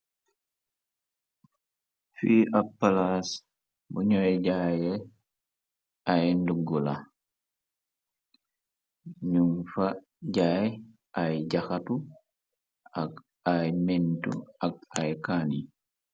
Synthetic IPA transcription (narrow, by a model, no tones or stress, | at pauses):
fiʔapːalas | buɲɔjɟajɛ | ajnduɡːula | ɲuŋfa | ɟaj | ʔajɟaxatu | ak | ajmɛntṵak̚ajkaːni